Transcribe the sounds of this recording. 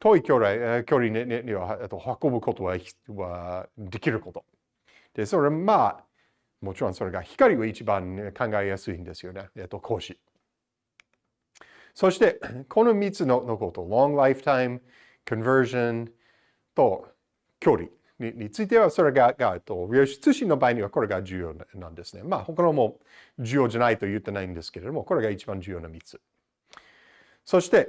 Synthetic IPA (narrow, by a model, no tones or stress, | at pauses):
t̪ʰoikjoɾakʲjoɾineeniβaet̪ːohakobɯ̟kʰot̪owawad̪ekʲiɾɯ̟kot̪o̞̥ | d̪̥esoɾema | mot͡ʃiɾõsoɾeɡaçi̥kaɾʲiβait͡ʃibãnkʰãŋɡaijasɨhĩnd̪esɨjoneet̪ːokʰoːʃi | soʃt̪e̞kʰonomʲit͡sɨnonokot̪olõŋlajft̪ʰãj̃m | kʰɨ̃nvɜ˞ʒõn | t̪o̞ | kʲo̞ːɾʲḭ | iɲit͡sɨit̪e̞βaso̞ɾeɡaɡaet̪ːoɾiaɕi̥t͡sɨɕĩnːo̞baːiɲ̟iβako̞ɾe̞ɡad͡ʑɨːjoːnã̰nd̪e̞sɨ̥ne̞maho̞kanomo̞ | d͡ʑɨjo̞ːd͡ʒanait̪o̞jɯt̪ːe̞naĩnd̪e̞sɨ̥ke̞ɾe̞d̪o̞moko̞ɾe̞ɡait͡ʃibãɲd͡ʑɨːjo̞ːnamʲit͡sɨ̥ | so̞ɕi̥t̪e̞